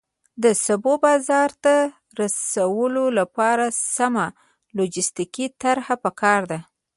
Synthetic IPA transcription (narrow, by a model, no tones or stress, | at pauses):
d̪əsabobɑzɑɾt̪a | ɾasawəlolapɑɾasama | lod͡ʒɪst̪ikit̪aɾhapəkɑɾd̪a